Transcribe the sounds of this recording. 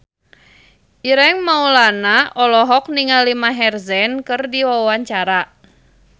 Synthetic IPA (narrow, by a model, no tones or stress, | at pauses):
ʔiɾɛŋmaulanaʔɔlɔɦɔk̚niŋalimaɦɛrzɛnkɨrdiwawaɲt͡ʃaɾa